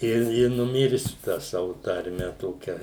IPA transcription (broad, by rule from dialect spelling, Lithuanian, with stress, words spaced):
ˈɪ ɪ nʊˈmʲɪrʲsʲʊ tɑː ˈsɑːʋʊ tɐrʲˈmʲɛ ˈtoːkʲɛ